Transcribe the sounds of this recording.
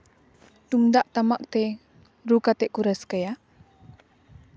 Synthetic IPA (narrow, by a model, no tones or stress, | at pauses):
t̪umd̪aʔt̪amak̚t̪e | ɾukat̪eʔkuɾaskaja